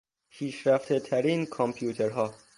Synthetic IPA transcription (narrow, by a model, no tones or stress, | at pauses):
pʰiːʃɾæft̪ʰet̪ʰæɾiːnkʰompʰjuːt̪ʰeɾɦɒː